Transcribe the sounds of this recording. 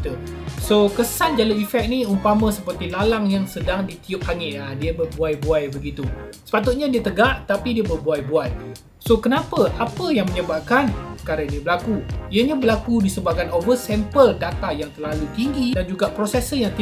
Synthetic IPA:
t̪ə | sokəsand͡ʒaləifɛk̚niumpamə̃səpərt̪ilalaŋjaŋsədaŋdit̪iʊp̚haŋɪʔladiəbərbuajbuajbəɡit̪usə̥pat̪ʊt̪̚ɲadiət̪əɡaʔt̪apidiəbərbuajbuaj | sokənapəʔapəjaŋməɲəbap̚kanəkaɾainibəlakuiəɲãbəlakudisəbaʔ̚kanovəsɛmpəldat̪ajaŋt̪ərlalut̪iŋɡidand͡ʒuɡaʔpɾosɛsəjaŋt̪i

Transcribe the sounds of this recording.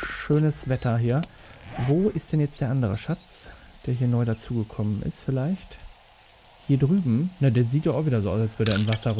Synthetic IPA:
ʃøːnəsv̥ɛtʰɐɦiːɐ | voːʔɪstd̥ɛnjɛt͡sd̥eːɐʔandəʁ̞ə̰ʃat͡s | d̥eːɐɦiːɐnɔʏɾat͡suːɡəkʰɔmənɪ̰stfɪlaɪçt | hiːɐdʁyːbm̩nadeːɐziːtdɔʔaʊfviːdɐzoːʔaʊsalsv̥ʏɐdəɛɐɪmvasɐ

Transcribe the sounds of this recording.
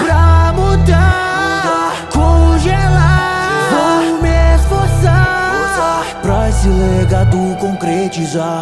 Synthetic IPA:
pɾamud̪a | ua | kõʒelavomesfoɾsɐ | pɾɔslɛeɡad̪ʊkõkɾet͡ʃiza

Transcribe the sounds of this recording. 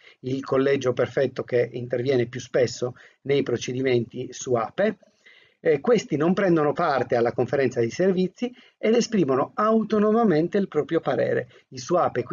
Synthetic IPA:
ilkʰolːɛd͡ʒoperfɛt̪ːokeint̪ervjɛːnepjuspesːo | nejpɾot͡ʃed̪iment̪isuaːpe | kwest̪inompɾɛnd̪onopart̪ealːakoɱfeɾɛnt̪sad̪iservit̪sːi | ed̪espɾiːmonoawt̪onomament̪eilpɾɔːpɾjopaɾɛ̰ːɾḛ | isuaːpek

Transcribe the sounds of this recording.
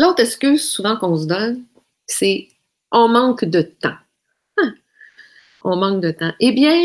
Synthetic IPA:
loːt̪χɛskʲyzsuvɑ̃kɔ̃sd̪ɔn | se | ɔ̃mɑ̃kd̪ət̪ã | ɔ̃mɑ̃k̚d̪ət̪ãʔebjɛ̃

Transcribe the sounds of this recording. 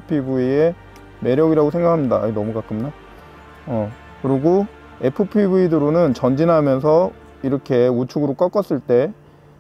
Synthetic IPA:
pʰibuie | me̞ɾjʌɡiɾaɡosʰe̞ŋɡakʰamɲidanʌmukakʰɯmɲa | ʌ | kɯɾiɡo | e̞pʰɯpʰibuidɯɾonɯnt͡ɕʌnd͡ʑinɦamjʌnsʰʌ | iɾʌkʰe̞ut͡ɕʰuɡɯɾok͈ʌk͈ʌs͈ɯɭt͈e̞

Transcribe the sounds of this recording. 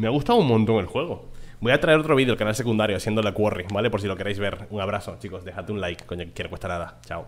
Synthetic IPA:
meaɣust̪aðouŋmõnt̪o̞ŋe̞lxwe̞ɣ̞o̞bojat̪ɾae̞ɾo̞t̪ɾo̞βiðjolkanals̬e̞kund̪aɾjoasjend̪olakworibale̞poɾs̬ilo̞keɾejzβe̞ɾuŋaβɾaso̞t͡ʃiko̞sd̪exat̪eunlajkːoɲokekjeɾowest̪anaðat͡ʃaw

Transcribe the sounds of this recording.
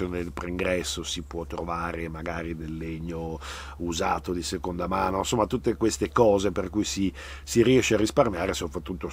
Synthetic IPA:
joːned̪elpɾeiŋɡɾɛsːosipwɔt̪ːɾovaːɾemaɡaːɾid̪elːeɲːo | uzaːt̪od̪isekond̪amaːnosomːat̪ut̪ːekwest̪ekɔːzeperkujsi | siɾiɛʃːearːisparmjaːɾesopɾat̪ːut̪ːo

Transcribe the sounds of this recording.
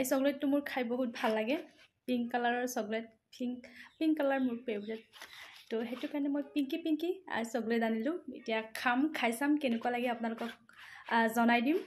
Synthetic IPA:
isɔɡlɛtːʊmʊɹkʰajboɦut̚bʱalːaɡɛpiŋkalaɹɔɹsɔɡlɛt̚ʰ | iŋpiŋkalaɹmʊɹpebɹɛttɔxetʊkaɹɔnɛmojpiŋkipiŋkia̰ɹsɔɡlɛtzanilʊ̃ḛtijakʰamkʰajsamkenɛkuwalaɡɛapʊnalʊkɔk | zɔnajdim

